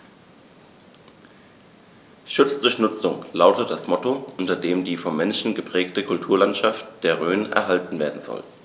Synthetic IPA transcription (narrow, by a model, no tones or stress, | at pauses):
ʃʊt͡sd̥ʊɐçnʊt͡sʊŋlaʊtətd̥asmɔtoʔʊntɐdeːmdiːfɔmːɛnʃn̩ɡəpʁ̥ɛːktəkʰʊltʰuːɐlantʃaftd̥eːɐʁøːnʔɛ̰ɐɦaltn̩veːɐdn̩zɔ̰l